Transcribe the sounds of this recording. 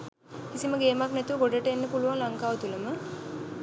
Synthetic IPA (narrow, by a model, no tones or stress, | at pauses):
kisiməɡeːmaknæt̪uʋəɡoɖəʈəenːəpuluʋaŋlaŋkaːʋət̪uləmə